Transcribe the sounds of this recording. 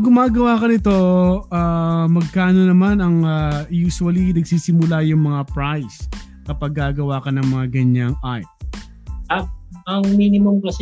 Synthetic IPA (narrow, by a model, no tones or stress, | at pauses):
ɡʊmaːɡɐwaːkɐnɪt̪o̞aːmɐɡ̚kaːno̞nɐmanɐŋajuːsʊwɐlinɐɡsiːsɪmʊlajʊŋmɐŋapɹajs | kɐpaɡ̚ːaːɡɐwaːkɐnɐŋmɐŋaɡɐɲaŋʔaj | ɐɐŋminɪmomkɐs